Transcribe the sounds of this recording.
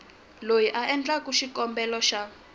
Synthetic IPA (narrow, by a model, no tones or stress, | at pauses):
lojiʔaʔɛnd͡ɮakuʃikɔmbɛlɔʃa